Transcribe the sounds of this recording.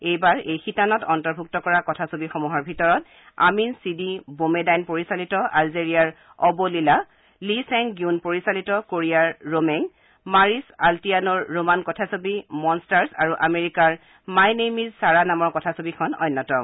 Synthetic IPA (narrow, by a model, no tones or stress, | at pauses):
ejbaɹejxitanɔtɔntɔɹbʱuk̚tɔkɔɹakɔtʰasobixɔmuɦɔɹbʱitɔɹɔt | a̰minsidibomedajnpoɹisalitɔʔalzeɹijaɹ | ɔbolila | lisɛŋɡiunpoɹisalitɔkoɹiaɹːomɛŋ | maɹisaltijanɔɹːomankɔtʰasobimɔnstaɹsaɹuʔameɹikaɹ | majnemizsaɹanamɔɹkɔtʰasobikʰɔnɔ̰jnːɔtɔ